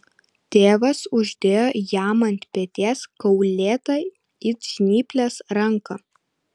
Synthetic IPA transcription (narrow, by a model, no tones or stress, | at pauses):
t̪ʲeːʋɐsʊʒʲd̪ʲeːjojæːmɐnʲt̪ʲpʲet̪ʲeːskɐʊlʲeːt̪ɐɪ | ɪʒʲnʲiːpʲlʲesɾɐŋkɐ